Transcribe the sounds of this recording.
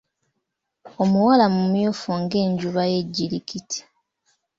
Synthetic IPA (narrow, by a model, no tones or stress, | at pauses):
o̞muwalamumjofoŋɡe̞ːɲɟuβaje̞ɟːilikitʰi̥